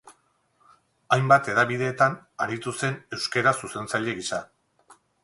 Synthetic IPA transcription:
ajmbat̪e̞ðaβið̞e̞ːt̪anaɾit̪use̞ne̞wske̞ɾasuse̞nt͡saʎe̞ɣisa

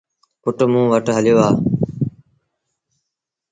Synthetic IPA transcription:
pʊʈmũːʋəʈɦəljoːaː

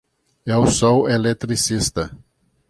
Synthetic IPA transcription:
ɛʊsɔwelet̪ɾisist̪ɐ

